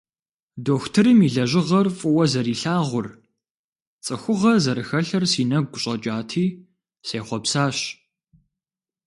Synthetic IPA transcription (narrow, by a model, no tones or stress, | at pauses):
doːxtʰɨɾɨmiɮɐʑɪʁɐrfʼʊwɐzɐɾiːɬaːʁʷʊr | t͡sʼɨxʷʊʁɐzɐɾɨxɐɬɐrsiːnɐɡ̚ʷʊɕʼɐt͡ʃʼaːtʰiː | seːχʷɔpsaːɕ